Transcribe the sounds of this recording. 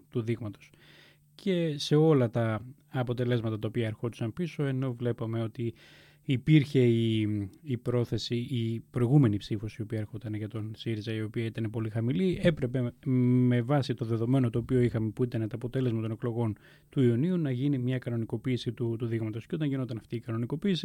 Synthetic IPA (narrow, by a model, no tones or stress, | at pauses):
t̪uðiɣmɐt̪o̞s | cʰe̞se̞o̞lɐt̪ɐː | po̞t̪e̞le̞zmɐt̪ɐt̪ɐopiɐeɾxot̪u̥sɐmpiso̞e̞no̞vle̞pɐme̞o̞t̪iː | piɾçe̞iː | pɾo̞θe̞siːpɾo̞iɣume̞nipsifo̞sio̞piɐeɾxot̪ɐneʝɐt̪onsiɾizɐio̞piɐit̪ɐne̞po̞lixɐmilie̞pɾe̞pe̞me̞vɐsit̪o̞ðe̞ðo̞me̞no̞t̪o̞ːpio̞ixɐmepuit̪ɐnet̪oɐpo̞t̪e̞le̞zmɐt̪o̞ne̞klo̞ɣo̞n | t̪uiuniunɐʝinimɲɐkɐno̞niko̞piːsit̪ut̪uðiɣmɐt̪osceo̞t̪ɐɲʝino̞nt̪ɐnɐft̪iːkɐno̞niko̞piːsi